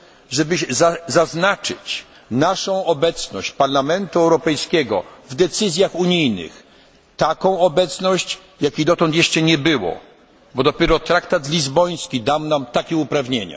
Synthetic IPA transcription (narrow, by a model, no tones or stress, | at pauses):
ʐɛbɘzazaznat͡ʂɘ̰t͡ɕ | naʂɔ̃w̃ɔbɛt̪snɔɕt͡ɕpaɾlamɛnt̪uɛwɾɔpɛjskʲɛɡɔvd̪ɛt̪sɘzʲjaxuɲijnɪ̰x | t̪akɔ̃w̃ɔbɛt̪snɔɕt͡ɕ | jakʲid̪ɔt̪ɔnt̪jɛʂt͡ʂɛɲɛbɘwɔ̰ | bɔd̪ɔpʲjɛɾɔt̪ɾakt̪at̪lʲizbɔj̃skʲid̪awnamt̪akʲɛupɾavɲeɲa̰